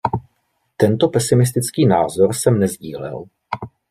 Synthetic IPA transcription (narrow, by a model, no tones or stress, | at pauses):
t̪ɛnt̪o̞pɛsɪmɪs̬t̪ɪt͡skiːnaːzo̞ɾsɛmnɛzɟiːlɛ̰l